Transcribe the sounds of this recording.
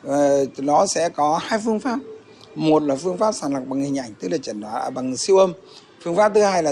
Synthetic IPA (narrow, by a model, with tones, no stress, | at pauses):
ɗɔ˨˦sɛ̰˧˥kɔ˨˦haː˧jfɨ˧əŋfaː˦˥p̚ | mo˨˩t̚laː˨˩fɨ˧əŋfaː˦˥p̚saː˨˩nlwa˨˩k͡p̚ɓa˨˩ŋhï˨˩ŋ̟ʔa˧˩jŋ̟t̪ɨ˦˥k̚laː˨˩t͡ɕə˧˩nɗaː˨˦ʔəː˧˩ɓa˨˩ŋ˨˩si˧wʔə˧m | fɨ˧əŋfaː˦˥p̚t̪ɨ˨˦haː˧jlaː˨˩